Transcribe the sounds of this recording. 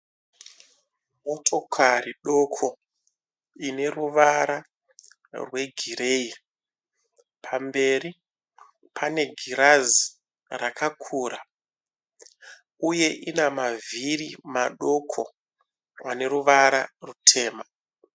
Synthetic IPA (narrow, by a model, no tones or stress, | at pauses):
mo̞tʰo̞kʰariɗo̞kʰo̞ | ine̞ruʋaɾa | rwe̞ɡʱiɾei | pʰambe̞ɾi | pʰane̞ɡʱiɾazi | rakʰakʰuːɾa | uje̞ʔinamavʱirimaɗo̞kʰo̞̰ | ane̞ɾuʋaɾarutʰe̞ːma